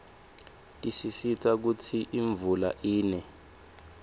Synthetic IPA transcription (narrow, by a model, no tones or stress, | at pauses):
tʼisisitʰʼak̬utʰiʔiɱvula̰ʔiːnɛ